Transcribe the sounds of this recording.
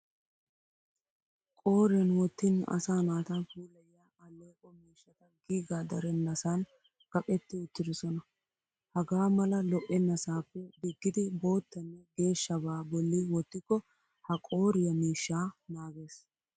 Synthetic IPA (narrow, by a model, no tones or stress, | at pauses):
kʼo̞ːɾɛnwɔt̪ːɪnɐ̰saːnaːt̪ɐfuːlɐja | ɐlːoːkʼɔmiːʃːɐt̪ɐɡiːɡaːd̪ɐɾɛnːɐsaːn | ɡ̥ɐpʼːɛt̪ːɪɪt̪ːɪd̪ɪsɔnɐ | hɐɡaːmɐlɐlɔʔɛnɐsaːpːɛd̪ɪɡːɪd̪ɪbo̞ːt̪ːɐnːɛɡe̞ːʃːɐbaːbɔlːɪwɔt̪ːɪkːɔ | hɐkʼo̞ːɾɪjɐmiːʃːaːnaːɡeːs